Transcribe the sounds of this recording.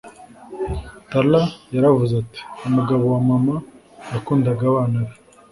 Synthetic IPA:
talajaɾavuzati̥umuɡaβowamama | jakuːndaɡaβaːnaɾe

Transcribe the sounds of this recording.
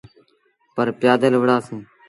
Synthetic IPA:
pəɾpɪjaːd̪əlʋəɽaːsẽː

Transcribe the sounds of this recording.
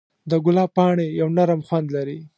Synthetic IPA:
d̪əɡʊlɑpɑɳejawnaɾəmxwand̪laɾi

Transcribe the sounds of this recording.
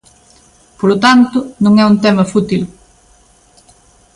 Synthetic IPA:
polʊt̪ant̪ʊnõŋɛũnt̪ɛmɐfut̪il

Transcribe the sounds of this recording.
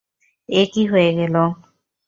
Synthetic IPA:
ekiɦojeɡɛlo

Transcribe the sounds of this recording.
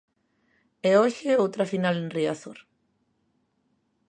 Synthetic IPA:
eoçeowt̪ɾafinalenriaθoɾ

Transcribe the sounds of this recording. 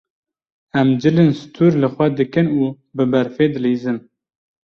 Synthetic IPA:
ɛmd͡ʒɨlensɨ̥t̪ʰuːɾlɨxʷɛd̪ɨkɨnuː | bɨbɛɾfeːd̪ɨleːzɨm

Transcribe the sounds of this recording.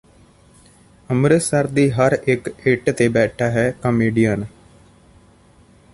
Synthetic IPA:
əmɾəsəɾd̪iːɦəɾɪkeːʈt̪eːbɛːʈʰaːɦɛːkəmeːɖijən

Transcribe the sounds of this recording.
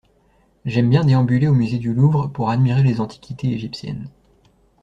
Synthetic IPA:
ʒɛmbjɛ̃d̪eɑ̃byleomyzed̪yluvʁəpuʁad̪miʁelezɑ̃t̪ʰi̥kʲit̪eeʒipsjɛ̰n

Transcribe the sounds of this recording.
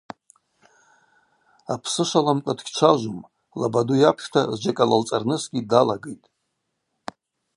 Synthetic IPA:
apʰsɨʃʷalamkʷʼadɡʲt͡ʃʷʰaʒʷum | labadujapʰʃtʰazd͡ʒakʼalalt͡sʼarnɨsɡʲidalaɡejtʼ

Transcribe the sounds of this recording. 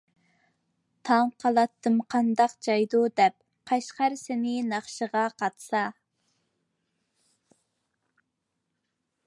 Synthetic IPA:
t̪ʰɑŋqʰɑlˠɑt̪ʰːɨmqʰɑnd̪ɑqd͡ʒɑjd̪ud̪ɛp̚ | qʰɑʃqæɾsɪnɪnɑχʃəʁɑqʰɑt̪sɑ

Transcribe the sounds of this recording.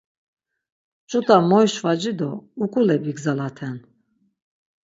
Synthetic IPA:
t͡ʃʼut̪ʼamɔjʃvad͡ʒid̪ɔukʼulɛbiɡzalat̪ʰɛn

